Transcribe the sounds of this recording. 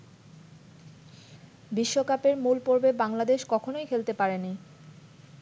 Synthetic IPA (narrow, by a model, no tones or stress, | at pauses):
biʃːokapeɾmulpoɾbebaŋlad̪eʃkɔkʰonojkʰelt̪epaɾeni